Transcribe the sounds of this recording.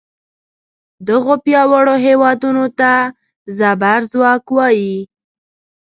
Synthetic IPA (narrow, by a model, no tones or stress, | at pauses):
d̪əɣopjɑwaɽoɦewɑd̪unot̪a | zabaɾzwɑkwɑji